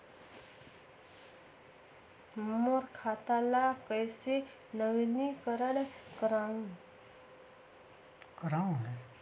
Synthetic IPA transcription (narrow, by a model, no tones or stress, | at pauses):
moɾkʰat̪alakəjse | nəʋinikəɾəlkəɾã | kɾãɦɛ